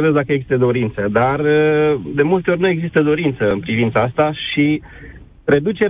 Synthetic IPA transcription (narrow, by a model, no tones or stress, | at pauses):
evezd̪akəeɡzist̪əd̪o̞ɾint̪səd̪arəd̪e̞mult̪eonuje̞ɡzist̪əd̪o̞ɾint̪səɨnpɾivint̪saast̪aʃi | re̞d̪ut͡ʃe̞ɾ